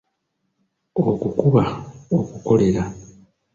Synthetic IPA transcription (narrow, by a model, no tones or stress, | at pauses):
okukuβaokuko̞le̞ɾa